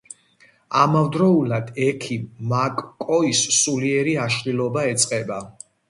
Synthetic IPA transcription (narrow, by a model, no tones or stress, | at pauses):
amavd̪ɾɔulad̪ɛkʰimːakʼkʼːɔissuliɛɾiaʃχilˠɔbaɛt̪sʼqʼɛba